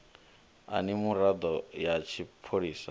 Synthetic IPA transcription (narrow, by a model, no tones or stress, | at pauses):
a̰nimuɾad̪ɔjat͡ʃʰipʰoɺiːsa